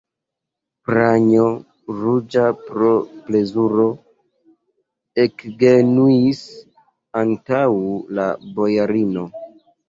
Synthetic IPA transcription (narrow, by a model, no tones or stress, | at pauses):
pɾaɲo | ɾud͡ʒapɾople̞zuɾo̞ | ekɡenuis | antawla̰bo̞jaɾino̞